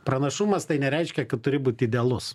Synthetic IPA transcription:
pɾɐnɐʃʊmɐst̪ɐɪnʲɛɾʲɛɪʃʲkʲɛkɐt̪̚t̪ʊɾʲɪbuːt̪ʲɪd̪ʲɛlˠʊs

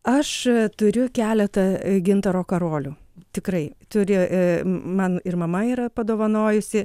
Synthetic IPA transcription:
ɐʃt̪ʊɾʲʊkʲæːlʲɛt̪ɐɡʲɪnt̪ɐɾoːkɐɾoːlʲuːt̪ʲɪkrɐɪt̪ʊɾʲɪʔmɐnɪrmɐmɐiːɾɐpɐd̪oːʋɐnoːjʊsʲɪ

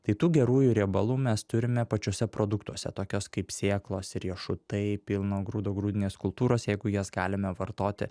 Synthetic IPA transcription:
t̪ɐɪt̪uːɡʲɛɾuːjʊɾʲɛbɐlˠuːmʲɛst̪ʊɾʲɪmʲɛpɐt͡ʃʲoːsʲɛpɾoːd̪ʊkt̪uɔsʲɛ̰t̪oːkʲoːskɐɪpsʲeːklˠoːsɪɾʲiɛʃʊt̪ɐɪpʲilˠnoːɡɾuːd̪oːɡɾuːd̪ʲɪnʲeːskʊlˠpt̪uːɾoːsjɛɪɡʊjoːsɡɑːlʲɪmʲɛʋɐrt̪oːt̪ʲɪ̰

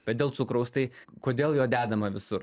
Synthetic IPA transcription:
b̥ʲɛt̪̚d̪ʲeːlˠtsʊkɾɐʊst̪ɐɪkoːd̪ʲeːlˠjoːd̪ʲæːd̪ɐmɐʋʲɪsʊɾ

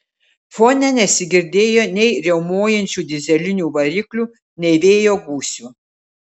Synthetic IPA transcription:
foːnʲɛnʲɛsʲɪɡʲɪɾʲd̪ʲeːjoːnʲɛɪɾʲɛʊmoːjɛnʲt͡ʃʲuːd̪ʲɪzʲɛlʲɪnʲuːʋɐɾʲiklʲuː | nʲɛɪʋʲeːjoːɡuːsʲuː

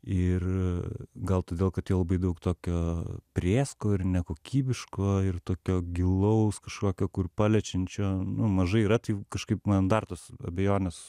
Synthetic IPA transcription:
ɪr | ɡɐlˠt̪oːd̪ʲeːlˠkɐt̪tjiɛlˠɐbɐɪd̪ɐʊkt̪oːkʲoːpʲɾʲeːskoːɪrnʲɛkoːkʲʰiːbʲɪʃkoːɪrt̪oːkʲoːɡʲɪlˠɐʊskɐʃkoːkʲoːkʊrpɑːlʲɛt͡ʃʲɛnʲt͡ʃʲoːnʊmɐʒɐɪiːɾɐt̪ɐɪkɐʃkɐɪpmɐnd̪ɐrt̪oːsɐ̰bʲɛjoːnʲɛs

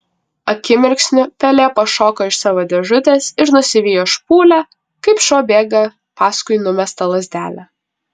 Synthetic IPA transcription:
ɐkʲɪmʲɪɾʲksʲnʲʊpʲɛlʲeːpɐʃoːkoːɪʃsɑːʋoːd̪ʲɛʒʊt̪ʲeːsɪɾnʊsʲɪʋʲiːjoːʃpuːlʲæ | kɐɪpʃoːbʲeːɡɐ | pɑːskʊɪnʊmʲɛst̪ɐlˠɐzʲd̪ʲæːlʲæ

